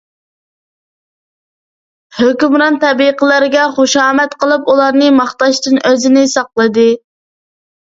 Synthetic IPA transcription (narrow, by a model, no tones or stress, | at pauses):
høkʲymɾɑnt̪ɛbiqʰəlˠæɾɡʲɛχoʃɑːmɛt̪qəlˠɨpulˠɑɾnɨmɑχt̪ɑʃt̪ɨnøzɪnɪsɑqlˠɨd̪ɨ